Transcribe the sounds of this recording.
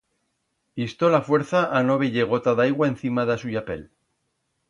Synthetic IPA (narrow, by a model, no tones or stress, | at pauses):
ist̪o̞lafwe̞ɾθaʔano̞βeʝeɣ̞o̞t̪aðajɣwaen̟θimaðasuʝape̞̰l